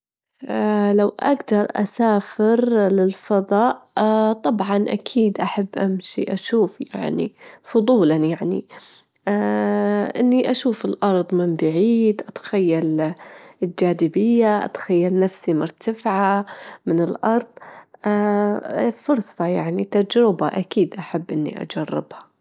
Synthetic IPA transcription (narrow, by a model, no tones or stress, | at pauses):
ʔalawʔa̰ɡd̪ɑɾˤʔa̰saːfɪɾlɪlfɑðˤɑːʔt̪ˤɑbʕɑnʔa̰kʰiːd̪ʔaħabːʔamʃḭʔaʃuːfja̰ʕnḭfʊðˤuːlanjaʕnḭ | ʔɪnːiʔaʃuːfɪlʔɑɾˤðˤmɪmbaʕiːd̪ʔat̪xajːal | ld͡ʒaːd̪ɪbɪjːaʔa̰t̪xajːalnafsimʊɾˤt̪ʰafʕamɪnɪlʔɑɾˤðˤ | fʊɾsˤɑjaʕnit̪ad͡ʒɾɪbaʔakiːd̪ʔaħabːʔɪnːḭʔa̰d͡ʒarˤːɪ̰bhḁ